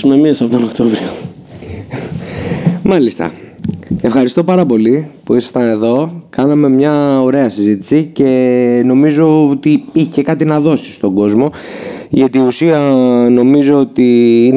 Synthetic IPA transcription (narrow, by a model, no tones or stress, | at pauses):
umemiɐsɐpot̪onokt̪ovɾio | mɐlist̪ɐ̰ | e̞fxɐɾist̪o̞pɐɾɐpo̞lipuisɐst̪ɐne̞ðo̞kɐnɐme̞mɲɐo̞ɾe̞ɐsizit̪i̥sice̞no̞mizo̞ot̪iiç̥ce̞kɐt̪inɐðo̞si̥st̪o̞ɡo̞zmo̞ | ʝɐt̪iːusiɐno̞mizo̞ot̪iin